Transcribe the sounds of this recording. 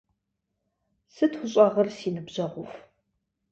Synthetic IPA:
sɨtxʷʊɕʼɐʁɐrsinɨbʑɐʁʷʊf

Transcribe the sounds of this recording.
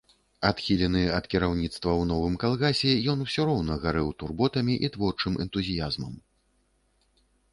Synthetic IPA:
at̪xʲilʲɛnɨɐt̪kʲiɾawnʲit̪st̪vɐwnɔvɨmkalˠɣasʲɛjɔn̪wsʲɔɾɔwnɐɣaɾɨwt̪urbɔt̪ɐmʲiʔit̪vɔrt͡ʂɨmʔɛ̰nt̪uzʲijazmɐm

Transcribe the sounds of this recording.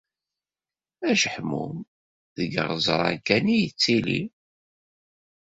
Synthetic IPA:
æʃəħmṵm | ðəɡə̰ʁzˤə̰ɾˤɑ̰kːænijət͡sːilḭ

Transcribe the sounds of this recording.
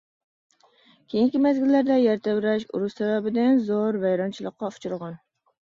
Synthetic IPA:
kʲʰejiŋkʲɪmazɡʲɪlːaɾd̪ajaɾt̪ʰawɾaʃʊ̰ɾʊʃsababɪd̪anzɒɾvajɾɒnt͡ʃʰɪlˠɨqʰːɑʊ̥t͡ʃʰʊɾʁɑn

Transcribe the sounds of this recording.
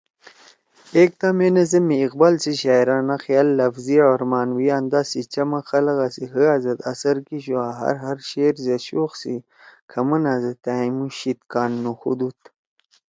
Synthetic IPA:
ek̚t̪amenɐzɐmiːqbalsiɕaːjɾanaxjaːlːɐfziʕoɾmaːnwijaːnd̪aːsit͡ɕɐmɐxɐlɐɣasiɦəazɐt̪ɐsɐɾkiɕuaːɦɐ̰ɾɦɐɾɕeːɾzeɕoːxsi | kʰɐmɐnazɐt̪amuɕit̪kaːnːuxṵd̪ut̪

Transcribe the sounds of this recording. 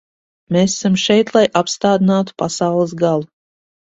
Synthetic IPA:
meːssamʃɛjt̪lˠajʔapst̪aːd̪inaːt̪u̥pasawlˠɨs̬ɡalˠu

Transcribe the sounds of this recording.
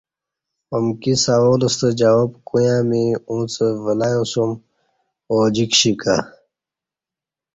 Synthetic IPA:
omkisaolust̪əd͡ʑawobkujãːmiũːt͡səvəlajosum | oːd͡ʑikɕika

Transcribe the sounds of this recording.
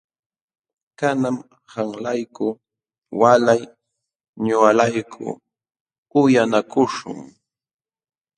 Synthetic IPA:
kanam | haŋlajkʊ | walaj | ɲʊalajkʰʊ̰ | ʊjanakʊʃʊ̰ŋ

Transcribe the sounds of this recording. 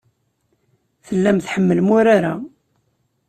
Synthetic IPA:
θəlːæmθħəmːəlmʊɾaɾa

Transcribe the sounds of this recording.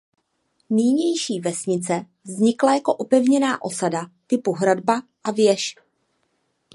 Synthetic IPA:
miːɲɛjʃiːvɛsɲɪt͡sɛ | vzɲɪklajako̞ʔopɛvɲɛnaːʔo̞sadat̪ɪpuɦɾadbaʔavjɛʃ

